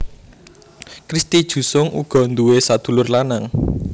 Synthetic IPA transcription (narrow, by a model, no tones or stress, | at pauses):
kɾist̪id̥ʒ̥ṳsʊŋṵɡ̥ɔ̤nd̪uwesad̪̥ṳlʊrlanaŋ